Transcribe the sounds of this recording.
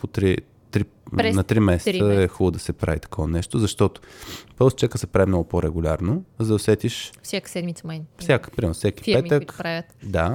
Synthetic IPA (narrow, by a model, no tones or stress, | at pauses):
pot̪ɾi | t̪ɾi | nɐt̪ɾimɛsɛ̥t̪səɛxɔbd̪ɐsɛpɾa̰vit̪ɐ̥kʰɔvɐnɛʃt̪ʊzɐʃt̪ɔt̪o̥pəlˠst͡ʃakəsɛpɾavimnɔɡʊpoɾɛɡulʲaɾnozɐd̪osɛt̪iʃfsʲjakə̥sɛd̪mit̪səmajfsʲakə̥pɾimɛɾnʊfsʲɛki̥pɛəkkɾavʲət̪d̪a